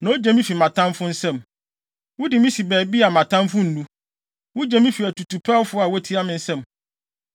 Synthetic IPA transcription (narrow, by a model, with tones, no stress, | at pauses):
nã˨o˦d͡ʑe˨mĩ˦fi˨mã˨tʰã˦m˦fʊ˦n̩˦sɛ̃˦˨m | wʊ˦dɪ˨mĩ˦si˨bɛː˨bi˦a˨mã˨tʰã˦mfʊ̃˦n̩˨nũ˦ | wʊ˦d͡ʑɛ˨mĩ˦fi˨æ˨tʰu˨tʰu˨pʰa˦wfʊ˦a˨wɛ˦tʰi˦a˦mɪ̃˦n̩˦sɛ̃˦˨m